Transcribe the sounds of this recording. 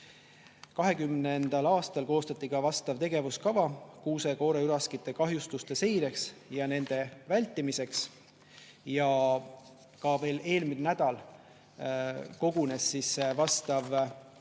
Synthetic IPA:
kɑɦe̞kymnend̪̥ɑlɑːst̪ɑlko̞ːst̪ɑt̪ˑːikɑvɑst̪ɑvt̪e̞ɡe̞vuskɑvɑkuːse̞ko̞ːɾeyɾɑskit̪ːˑe̞kɑɦjust̪ust̪e̞se̞jɾe̞ksjɑne̞nd̪̥e̞vælʲt̪ːimise̞ks | jɑ | kɑve̞ːle̞ːlminnæd̪̥ɑl | ko̞ɡ̥une̞sːisvɑst̪ɑv

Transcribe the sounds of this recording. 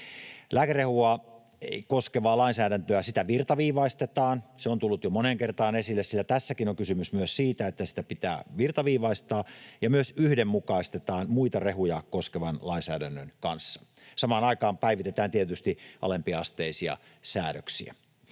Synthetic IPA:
læːkærehuɑ | koskeʋɑːlɑinsæːɾænt̪øæsit̪æʋirt̪ɑʋiːʋɑist̪et̪ɑːnseont̪ulːut̪jomoneŋkert̪ɑːnesilːessilːæt̪æsːækinoŋkysymysmyøssiːt̪æet̪ːæsi̥t̪æpit̪æ̰ːʋirt̪ɑʋiːʋɑist̪ɑːjɑmyøsyhdemmukɑist̪et̪ɑːnmuit̪ɑreɦujɑkoskeʋɑnlɑinsæːdænːønkɑnsːɑ̥ | sɑmɑːnɑikɑːmpæiʋit̪et̪æːnt̪iet̪yst̪iʔɑ̰lempiɑɑst̪eisiɑ̰ | sæːɾø̰ksḭæ̰

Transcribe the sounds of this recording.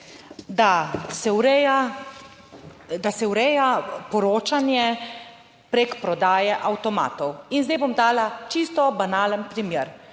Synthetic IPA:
d̪asɛwɾɛja | d̪asɛwɾɛjapɔɾoːt͡ʃanjɛ | pɾekpɾɔd̪aːjɛʔawt̪ɔma̰ːt̪ɔwinzd̪ɛjbomd̪aːlat͡ʃist̪ɔbanaːlənpɾimjeːɾ

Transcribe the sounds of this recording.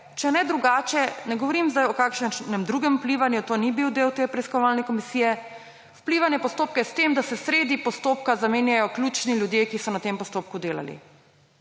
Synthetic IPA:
t͡ʃɛnɛd̪ɾuɡaːt͡ʃjɛnɛɡɔʋɔɾimzd̪ajɔkaːkʃnɛmd̪ɾuːɡɛmupliʋanjut̪oːnibiwd̪eːwt̪eːpɾɛiskɔʋaːlnɛkɔmisiːjɛ | wpliːʋanjɛpɔst̪oːp̚kajɛst̪emd̪asɛsɾeːd̪ipɔst̪oːp̚kazameːnjajɔklʲjuːt͡ʃniljud̪jeːkisɔnat̪empɔst̪oːp̚kud̪eːla̰lḭ

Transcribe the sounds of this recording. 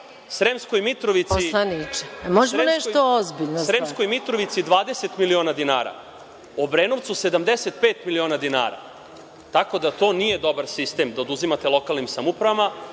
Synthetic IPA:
sɾemsko̞jmit̪ɾoʋit̪sianit͡ʃe̥moʒemoenɛʃt̪oozbiʎnoɾemskojmit̪ɾoʋit̪sid̪ʋaːd̪eset̪milio̞nad̪ina̰ːɾa̰ | obɾeːnoʋt̪sused̪amd̪eset̪̚peːt̪milio̞ːnad̪ina̰ːɾa̰ | t̪ako̞d̪at̪o̞ːnije̞d̪o̞baɾsist̪e̞ːmd̪aod̪uzimat̪elˠo̞kalˠnimsamupɾaʋama

